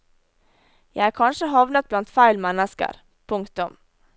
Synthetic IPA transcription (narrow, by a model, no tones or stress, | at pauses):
jæɪækʰɑnʂəɦɑʋnət̪̚b̥lɑnt̪fæɪlmɛnəskə̰ɾ | pʰʊŋkt̪ʊm